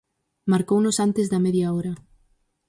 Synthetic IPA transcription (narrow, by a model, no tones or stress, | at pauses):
maɾkownʊsant̪ɪzðɐmɛðjaɔɾɐ